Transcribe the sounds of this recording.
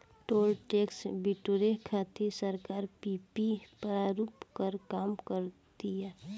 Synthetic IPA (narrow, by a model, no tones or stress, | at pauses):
ʈoːlʈeːksbɪʈoɾekʰat̪ʰesəɾkaːɾpipipɾaɾuːpkəɾkaːmkəɾt̪iɛː